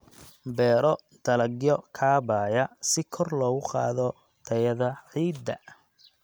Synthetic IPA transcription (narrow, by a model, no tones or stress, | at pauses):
bɛːɾɔ | d̪̥ɐlɐɡjɔkʰaːβaːjɐsɪkʰɔrlɔːɣʊqɑ̰ːðɔ | t̪ʰɐjɐðɐħiːd̪ɐ